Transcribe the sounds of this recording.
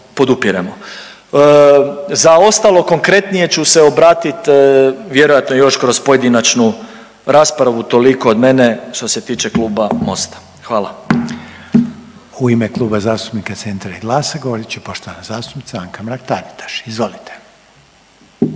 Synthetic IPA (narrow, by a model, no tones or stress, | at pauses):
po̞d̪upiɾemo | zao̞st̪alˠo̞ko̞ŋkɾe̞t̪nije̞t͡ɕuse̞o̞bɾaːt̪it̪ʋje̞ɾo̞jat̪nojo̞ʃkɾo̞spo̞je̞d̪inat͡ʃnu | ɾaːspɾaʋut̪o̞liko̞od̪me̞ne̞ʃt̪o̞se̞t̪iːt͡ʃe̞kluːbamo̞st̪ḁ | xʋaːla | uimeklˠuːbazaːst̪u̥pnikat̪se̞nt̪ɾaiɡlˠaːsaɡoʋoɾit͡ʃipoʃt̪oʋanazaːst̪u̥pnit̪aaŋkamɾak̚t̪aɾit̪ʰḁʃizʋo̞lit̪e̥